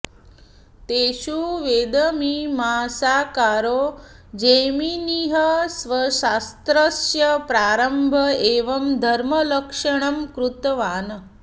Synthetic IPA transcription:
t̪eːɕuːʋeːd̪əmimaːsaːkaːɾoː | d͡ʒeːminiɦɐsʋɐʃaːst̪ɾɐsjɐpɾaːɾɐmbʱɐeːʋɐmd̪ʱɐɾmɐləkʂɐɳ̃ɐmkɾut̪ʋaːnə

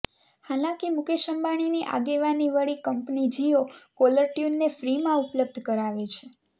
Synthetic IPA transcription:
halãkimukeʃəmbaɽ̃iniʔa̰ɡeʋaniʋəɭikəmpnid͡ʒiokoləɾʈjunːefɾimãupləb̚d̪ʱkəɾaʋet͡ʃʰe

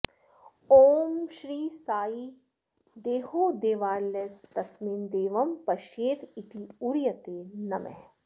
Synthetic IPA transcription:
oːmʃɾiːsaːi | d̪eːɦoːd̪eːʋaːlːest̪ɐsmiːnd̪eːʋɐmpɐʃeːt̪it̪iuɾjɐt̪eːnɐmɛ̰

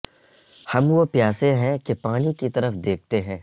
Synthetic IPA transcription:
hɐmʋopjaːseɦɛ̃kepaːnikit̪ɐɾəfd̪eːk̚ʰt̪eɦɛ̃ː

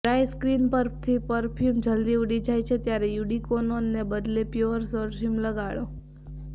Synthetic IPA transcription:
ɾajskɾinpəɾt̪ʰipəɾpʰjumd͡ʒəld̪iuɽid͡ʒajt͡ʃʰet̪jaɾejuɽikononːebəd̪lepjoəɾsəɾfʰimləɡaɭo

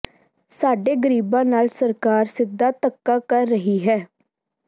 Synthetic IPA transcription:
saːɖeːɡəɾiːbãːnaːlsəɾkaːɾsɪd̪ːaːt̪əkːaːkəɾːəɦiːɦɛː

